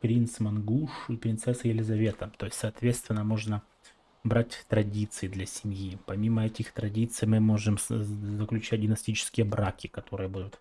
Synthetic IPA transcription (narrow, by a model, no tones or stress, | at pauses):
pɾʲint̪smɐnɡuʂipɾʲɪnt̪sɛsːəjɪlʲɪzɐvʲe̞t̪ət̪o̞jɪsʲtʲsɐːt̪vʲe̞t̪st̪vʲɪnːəmo̞ʐnə | bɾatʲt̪ɾɐdʲit̪sɨɪd̪lʲɐsʲɪmʲjipɐmʲiməɛtʲɪxt̪ɾɐdʲit̪sɨjmɨmo̞ʐɨmzəklʲʉt͡ɕæt̚ʲdʲɪmnɐsʲtʲit͡ɕɪ̥skʲɪjəbɾakʲɪkɐt̪o̞ɾɨjəbud̪ʊt̪